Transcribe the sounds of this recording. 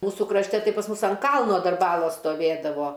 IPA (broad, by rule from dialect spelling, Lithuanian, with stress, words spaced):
ˈmuːsʊ krɐʃʲˈtʲɛ ˈtɐɪ pɐs ˈmʊs ɐnt ˈkɐlˠnoː ˈdɐr ˈbɑːlˠoːs stoːˈʋʲeːdɐʋoː